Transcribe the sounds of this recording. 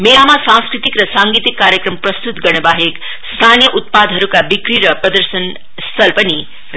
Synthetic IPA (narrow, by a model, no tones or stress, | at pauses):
meamasãskɾit̪ikɾʌsaŋɡit̪ikːaɾjəkɾʌmpɾʌst̪ut̪ɡʌɽ̃baɦek | st̪ʰanjʌʔut̪̚pad̪ʱɦʌɾukabikɾiɾʌpɾʌd̪əɾsən | st̪ʰʌlpʌni